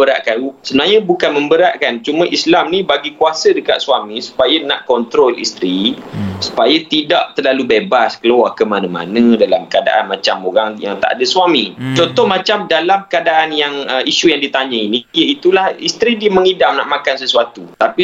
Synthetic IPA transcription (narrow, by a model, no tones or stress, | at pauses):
əɾa̰ʔkasəbənarɲabukanmə̃mbəɾaʔkant͡ʃumə̃ʔislamnĩbaɡikuwasədəka̰t̪̚suamĩsu̥pajanaʔkɔnt̪ɾolḭst̪ɾisu̥pajat̪idaʔt̪ərlalubebaskəluakəmanə̃ma̰nədalamkada̰ʔanmat͡ʃamoɾaŋja̰ŋt̪a̰ʔa̰dasuamĩt͡ʃɔnt̪ɔhmãt͡ʃamdalamkəadaʔanjaŋəiʃujaŋdit̪aɲəinijəit̪ulahist̪ɾidiəməŋidamna̰ʔmãkansəsuat̪ut̪api